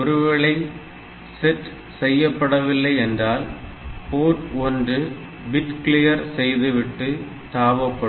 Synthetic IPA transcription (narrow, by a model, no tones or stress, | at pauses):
ɔɾɯʋɐɭɐɪ | sɛʈː | sɛjːɐpːɐɽɐʋɪlːɐɪɛndraːl | poːʈɔndrɯ | bɪʈkɭɪjɐɾsɛjðɯʋɪʈːɯ | t̪aːʋɐpːɐ